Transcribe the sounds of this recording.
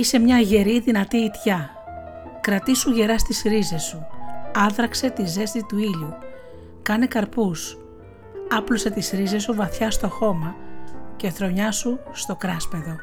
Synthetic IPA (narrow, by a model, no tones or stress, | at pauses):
ise̞mɲɐʝe̞ɾiðinɐt̪iːt̪çɐ | kɾɐt̪isuʝe̞ɾɐst̪isɾize̞suɐðɾɐkse̞t̪ize̞st̪it̪uiʎu | kɐne̞kɐɾpus | ɐplo̞se̞t̪isɾize̞suvɐθçɐst̪o̞xo̞mɐce̞θɾo̞ɲɐsust̪o̞kɾɐspe̞ðo̞